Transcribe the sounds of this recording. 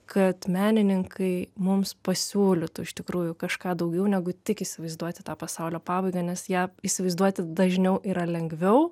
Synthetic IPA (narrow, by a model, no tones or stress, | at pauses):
kʰɐt̪mʲæːnʲɪnʲɪŋkʰɐɪmʊmspɐsʲuːlʲɪt̪ʊːɪʃt̪ʲɪkɾuːjʊkɐʃkɑːd̪ɐʊɡʲɛʊnʲæɡʊt̪ʲɪkiːsʲɪʋɐɪzd̪uɔt̪ʲɪ̥t̪ɑːpɐsɑʊlʲoːpɑːʋɐɪɡɐːnʲɛsjæːiːsʲɪʋɐɪzd̪uɔt̪ʲɪd̪ɐʒʲnʲɛʊʔiːɾɐlʲɛŋɡʋʲɛʊ